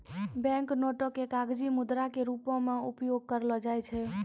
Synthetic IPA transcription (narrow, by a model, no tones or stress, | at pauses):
bɛ̃ŋknoʈokːekaɡd͡ʒimud̪ɾakeɾupɔ̃meupjoɡ̚kəɾlɔd͡ʒajt͡ʃʰɛ